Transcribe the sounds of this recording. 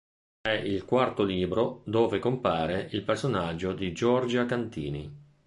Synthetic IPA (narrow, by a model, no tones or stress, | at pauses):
ɛʔilkwart̪oliːbɾod̪oːvekompaːɾeʔilpersonad͡ʒːod̪id͡ʒɔrd͡ʒakant̪ḭːnḭ